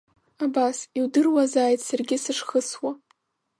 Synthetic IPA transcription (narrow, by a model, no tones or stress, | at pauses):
abasiwdɨrwazaːjtʰʼsarɡʲɪsɨʂχəswa